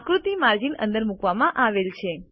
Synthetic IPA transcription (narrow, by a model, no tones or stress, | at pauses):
kɾut̪imaɾd͡ʒinə̰nd̪əɾmukʋamãʔaʋelt͡ʃʰe